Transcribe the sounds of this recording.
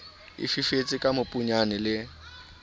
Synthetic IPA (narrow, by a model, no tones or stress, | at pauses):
ɪ̰fifet͡sʼɪkʼamʊpʼuɲanɪlɪ